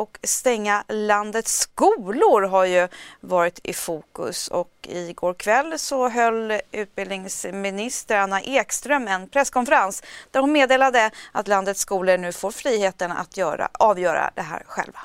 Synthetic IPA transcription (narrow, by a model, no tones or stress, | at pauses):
ɔkst̪ɛŋːaland̪ət̪skuːlʊɾɦaɾjɵvɑːɾɪt̪ʰɪ̰fuːkɵ̰sɔ̰kɪɡoːɾkʰvɛlːsɔɦœlːʉ̟ːt̪̚bɪld̪nɪŋsmɪnɪst̪əɾanːaʔeːkst̪ɾœmɛnpʰɾɛskʰɔnfəɾansd̪̥æɾhʊnmeːd̪eːlad̪əat̪land̪ət̪skuːləɳʉ̟ːfoːɾfɾiːheːt̪əna̰t̪ʰjœːɾa̰ɑːvjœːɾa̰d̪ɛɦæ̰ːɾɧɛ̰lva